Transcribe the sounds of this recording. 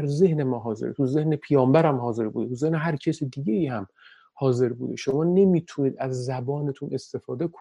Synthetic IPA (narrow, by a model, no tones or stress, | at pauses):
ɾze̞hne̞mɒːɦɒːzḛɾt̪ʰuze̞hnepʰijɒːmbæɾæmhɒːze̞ɾbṵd̪et̪uzehneɦæɾcʰesid̪iɟeiːhæm | hɒːze̞ɾbṵːd̪ḛʃo̞mɒːne̞miːt̪ʰuniːd̪æzːæbɒːne̞t̪ʰunʔe̞st̪e̞fɒːd̪ekʰo